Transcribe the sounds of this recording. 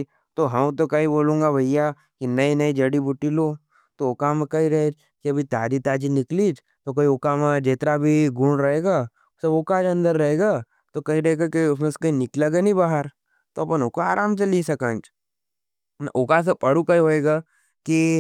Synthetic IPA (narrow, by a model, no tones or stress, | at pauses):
t̪oɦɐmt̪okɐɦiboːlũːŋɡabʱɐjja | kinɐinɐid͡ʒɐɽibʱʊʈːiloː | t̪ookamekɐĩɾɐɦed͡ʒ | kiɐbʱit̪aːd͡ʒit̪aːd͡ʒinɪkliːd͡ʒ | t̪okɐiokamed͡ʒeːt̪ɾabʱiɡʱuːɳɾɐɦeːɡaː | sɐoːkaːd͡ʒɐ̃nd̪əɾːɐɦeːɡaː | t̪okɐɦiɾɐɦeɡakiʊsmeskɐinɪkleɡɐnibaːɦəɾ | t̪oɐpənokoaːɾaːmt͡ʃɐlisɐkãːnd͡ʒ | nʔʊkas̬epɐɽukɐiɦoːeːɡaː | ki